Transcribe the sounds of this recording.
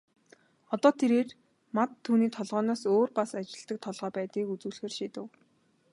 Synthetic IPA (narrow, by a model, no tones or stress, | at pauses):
ɔt̪ɔːt̪ʰeɾeːr | mat̪ʰːuːniːt̪ʰɔɮʁɔːnɔːsoːrpasat͡ɕɪ̆ɬt̪ə̆k̚t̪ʰɔɮʁœːpæːt̪iːkut͡sŭːɮxeːrʃiːt̪ɘ̆w